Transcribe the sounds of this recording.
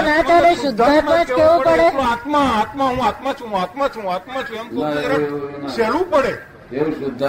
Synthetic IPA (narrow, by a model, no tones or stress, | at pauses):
nãt̪jaɾeʃʊd̪ʱamãt͡ʃkeʋũpəɽẽat̪mãːt̪mãɦũat̪mãt͡ʃʰũat̪mãt͡ʃʰũat̪mãt͡ʃʰũɛmt̪uɾəselũpəɽe